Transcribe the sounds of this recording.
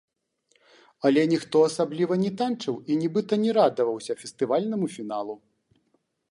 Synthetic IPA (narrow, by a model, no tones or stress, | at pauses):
ɐlʲɛnʲixt̪ɔɐsablʲivɐnʲɛt̪ant͡ʂɨwinʲibɨt̪ɐnʲɛɾad̪ɐvɐwsʲɐfʲɛst̪ɨvalʲnɐmufʲinalˠu